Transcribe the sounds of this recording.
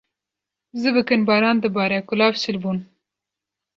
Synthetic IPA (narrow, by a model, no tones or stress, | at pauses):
zəbəkənbɑɾɑnd̪əbɑɾakʊlɑfsɪlbun